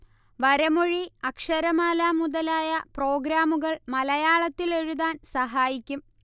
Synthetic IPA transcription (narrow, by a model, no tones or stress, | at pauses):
ʋɐɾɐmoɻiɐkʂɐɾɐmaːlaːmuðɐlaːjɐpro̞ːɡɾaːmuɣɐɭmɐlɐjaːɭɐt̪ːile̞ɻuðaːnsɐɦaːjikʲːum